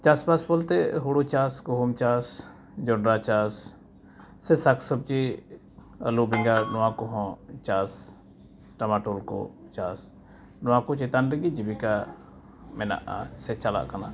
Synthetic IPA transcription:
t͡ʃaspaspɔlt̪ɛɦuɽut͡ʃaskɔɦumt͡ʃas | d͡ʒɔɳɖɾat͡ʃasː | ɛsakʰsəb̚t͡ʃi | ə̰lubʱĩŋɡanɔwãkɔɦɔ̃t͡ʃas | ʈɐmaʈolkɔ̰t͡ʃaːs | nʊwãkut͡ʃɛt̪anɾiɡid͡ʒibika | mɛna̰ʔa̰sɛt͡ʃala̰ʔkana̰

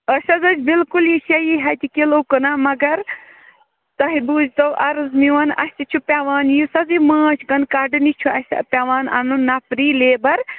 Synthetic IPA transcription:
əsɐzɐd͡ʒbilkuljiʃɐjiɦɐt̪ʲikilokɨnaːmɐɡɐɾ | t̪ɐɦibuːzʲt̪ɐwʔɐɾɨzmiʋɐnɐ̰sʲt̪it͡ʃʰupʲaʋaːnjusɐziməːt͡ʃʰkɐnkaːɖɨnit͡ʃʰuɐsʲɐ̰pʲaʋaːnɐ̰mnunɐpɾiːleːbɐɾ

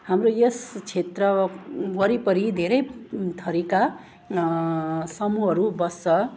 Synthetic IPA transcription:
hamrojest͡sʰet̪rʌɡʌɾipʌɾid̪ʱeɾʌjt̪ʰʌɾika | sʌmuɦʌɾubʌsʌ

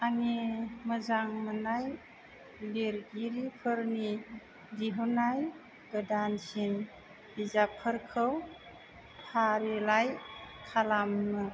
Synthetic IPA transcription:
animəzaŋmənaj | leɾɡiɾipʰɯɾni | diɦunaj | ɡədansin | izapʰːəɾkʰɯw | pʰaɾilajkʰalamnɯ

